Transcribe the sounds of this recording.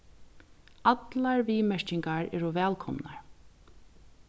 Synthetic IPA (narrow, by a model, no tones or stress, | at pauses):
at̪laɹviːmɛɹcɪŋkaɹɛːɾʊvɛːlkʰɔmnaɹ